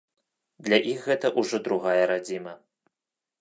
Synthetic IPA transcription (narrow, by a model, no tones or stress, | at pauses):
d̪lʲaʔixɣɛt̪ɐʔuʐɔd̪ɾuɣajɐɾad͡zʲimɐ